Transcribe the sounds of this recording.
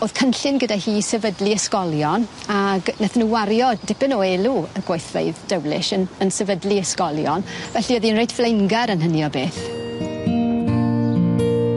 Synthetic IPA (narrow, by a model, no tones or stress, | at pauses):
oːð̥kʰənɬɪnɡədahiːsɛvədlˠiəskɔlˠjɔnaɡnɛθnuwaɾjɔd̥ɪpɪnoːeːlˠuəɡ̥wajθvḛjðd̥əwlɪ̰ʃənənsɛvədlˠiəskɔlˠjɔnvɛɬiəðiənrejdflejnɡɛɾənɦənjɔbeːθ